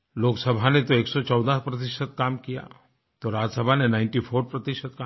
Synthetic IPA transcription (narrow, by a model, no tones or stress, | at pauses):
loːksəbʱanet̪oeːksɔt͡ʃɔːd̪apɾɐt̪ɪʃət̪̚kaːmkija̰ː | t̪oɾaːd͡ʒsəbʱanenãːɪ̃ɳʈifʰoːɾpɾɐt̪ɪʃət̪̚ka